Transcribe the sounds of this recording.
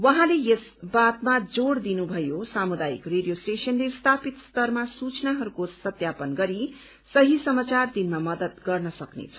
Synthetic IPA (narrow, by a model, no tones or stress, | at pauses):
wʌɦãlejesbat̪mad͡zoɽd̪inubʱʌjosamud̪aḭkreɖijosʈesʌnlest̪ʰapit̪st̪ʌrmasut͡snaɦʌɾukosʌt̪japʌnɡʌɾi | sʌɦisʌmat͡sard̪inmamʌd̪ʌt̪ɡʌrnʌsʌknḛt͡sʰʌ̥